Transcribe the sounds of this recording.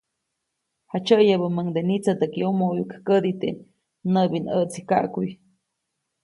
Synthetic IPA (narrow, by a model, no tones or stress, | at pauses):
hat͡ʃəjəbəməŋd̪enit͡sat̪akiumojukkəd̪it̪ḛ | nəbinəʔt͡shika̰ʔkuj